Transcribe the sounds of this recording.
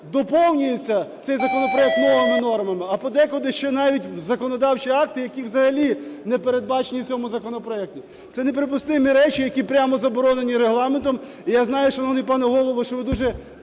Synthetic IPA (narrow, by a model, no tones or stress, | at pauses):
d̪ɔpɔwnʲʊjʊt͡sʲːɐt̪sɛjzɐkɔnɔpɾɔjɛk̚t̪mɔʋɐmɪnɔrmɐmɪɐpɔd̪ɛkɔd̪ɪʃt͡ʃɛnɑʋʲitʲzɐkɔnɔd̪ɑwt͡ʃiɑk̚t̪ɪjɐkʲiwzɐɦɐlʲinɛpeɾe̞d̪̚bɑt͡ʃenʲiwt͡sʲɔmʊzɐkɔnɔpɾɔɛk̚tʲi | sɛnepɾɪp̬ʊst̪ɪmiɾɛt͡ʃijɐkʲipɾʲamɔzɐbɔɾɔnenʲiɾeɦlˠɑment̪ɔm | ijaznɑjʊʃt͡ʃɔnɔnɪp̬ɑnɛɦɔlˠɔʋɔʃt͡ʃɔʋɪd̪uʒɛ